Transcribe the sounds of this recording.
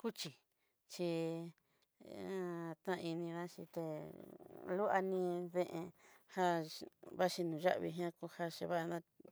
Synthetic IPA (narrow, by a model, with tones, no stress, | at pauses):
ku˦t͡ʃi˨ | t͡ʃi˧ | t̪nã˦˧i˧nĩ˧ɾã˦ʃi˧t̪e˧ | lu˦ʔa˧nĩ˧ðẽ˦˧ʔḛ̃˧ha˦βa˦ʃi˧nũ˨ʒa̰˦ʔβḭ˧ɦj̃ã˦ku˧ha˦ʃe˧βa˦ʔnã˧